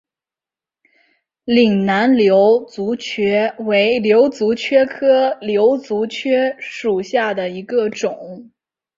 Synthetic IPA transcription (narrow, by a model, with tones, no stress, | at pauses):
li˨˩ŋna˧˥nljo˧˥ʊt͡su˧˥t͡ɕʰɥɛ˥we˧˥ɪljo˧˥ʊt͡su˧˥t͡ɕʰɥɛ˥kʰɤ˥ljo˧˥ʊt͡su˧˥t͡ɕʰɥɛ˥ʂu˨˩ɕja˥˩d̪ə˩i˧˥ɡə˧ʈ͡ʂʊ˨˩˦ŋ